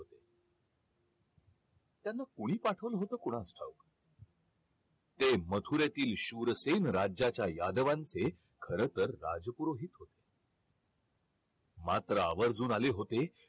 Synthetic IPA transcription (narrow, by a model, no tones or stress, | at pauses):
ot̪e | t̪janːakuɽ̃iːpaʈʰəʋlɦot̪əːkuɽ̃asʈʰa̰uk | t̪emət̪ʰuɾjat̪iːlɕuɾəsenɾad͡ʑat͡ɕjajad̪əʋãnt͡se | kʰəɾət̪əɾːa̰d͡zəpuɾoɦiːt̪ɦot̪e̥ | mat̪ɾəaʋəɾd͡zuːnaleɦot̪e